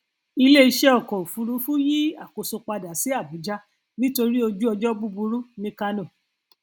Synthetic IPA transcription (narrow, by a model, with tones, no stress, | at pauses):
i˧le˦i˧ʃɛ˦ɔ˦˨kɔ˨o˨fu˨˧˦ɾũ˨˦fũ˦ji˦a˦˨ko˨so˧k͡pa˧da˨˦si˨˦a˦˨bu˨˦d͡ʒa˦ | nĩ˦to˧ɾi˦o˧d͡ʒu˦ɔ˧d͡ʒɔ˦bu˦bu˧ɾu˦nĩ˦ka˧nõ˦˨